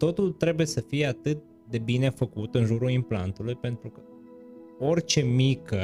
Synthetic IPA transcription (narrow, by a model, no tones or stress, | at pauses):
t̪o̞t̪ult̪ɾe̞buje̞səfije̞at̪ɨt̪̚ | d̪e̞bine̞fəkut̪ɨnʒuɾuimplant̪ulujpe̞nt̪ɾukə | o̞rt͡ʃe̞mikə